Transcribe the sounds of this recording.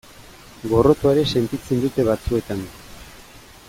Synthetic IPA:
ɡo̞ro̞t̪oeɾe̞se̞nt̪it͡se̞nd̪ut̪e̞βat͡sue̞t̪an

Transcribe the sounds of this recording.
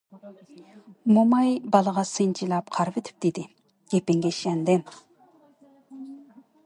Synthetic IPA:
momɑjbɑlˠəʁɑsɨnt͡ʃʰilˠɑp̚qʰɑɾvet̪ʰɪ̥p̚d̪ɪd̪ɪ | ɡ̥ʲepɪŋɡʲɛʃɛnd̪ɪm

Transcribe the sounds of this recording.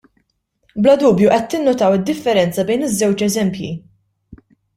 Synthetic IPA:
blɐd̪uːbjuʔɛt̪ːɪnːʊt̪ɐwɪd̪ːɪfːɛɾɛnt͡sɐbɛjnɪzːɛwt͡ʃɛzɛmpjḭ

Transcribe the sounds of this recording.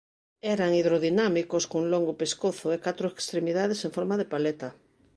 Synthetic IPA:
ɛɾaŋiðɾoðinamikoskoŋloŋɡʊpeskoθʊekat̪ɾʊekst̪ɾemiðaðeseŋfɔɾmaðepalɛt̪ɐ

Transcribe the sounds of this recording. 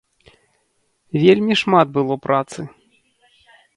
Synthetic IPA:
vʲelʲmʲiʂmad̪̚bɨlˠɔpɾat̪sɨ

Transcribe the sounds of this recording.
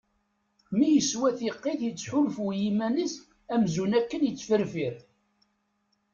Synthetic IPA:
mijəswæθiqːɪθjət͡sːħʊlfujimænəs | æmzunækːənjət͡sːfəɾfiɾ

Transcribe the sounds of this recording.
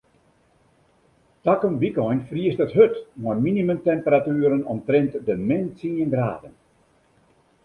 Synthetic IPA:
takənbikɔjnfriəstətɦøtmɔjnminiməmtɛmpəɾatyːəɾənɔ̰mtrɛntdəmɛnsiənɡra̰ːdən

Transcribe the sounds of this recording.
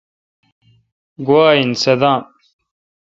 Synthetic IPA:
ɡuaːinsɐd̪ãːm

